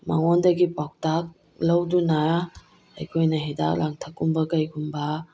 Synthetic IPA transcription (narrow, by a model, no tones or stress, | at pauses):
ma̰ŋɔndɐɡipɔk̚tak̚ | lɐwduna | ajkʰojnaɦeda̰k̚laŋtʰakːumbɐkajɡumbɐ